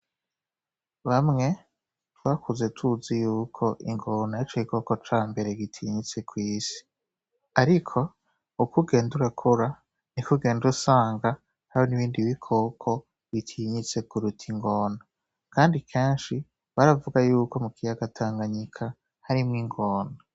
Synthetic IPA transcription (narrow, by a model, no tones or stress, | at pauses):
βamŋe̞ | twaːkʰuze̞tʰuzijuːkʰo̞ʔḭŋɡo̞naat͡ʃoβiko̞kot͡ʃaːmbe̞ɾeɡitʰiɲit͡se̞kwiːsi̥ | aɾikʰo̞ | ukuɡe̞ːnduɾakʰoɾa | nikuɡe̞ːndusaːŋɡa | hahoniβiːndiβikʰo̞kʰo̞ | βitʰiɲit͡se̞kuɾutʰiŋɡo̞ːna | kaːndikʰe̞ːnʃi | βaɾavuɡajuːko̞mukijaɡatʰaːŋɡaɲikʰa | haɾimŋiŋɡoːna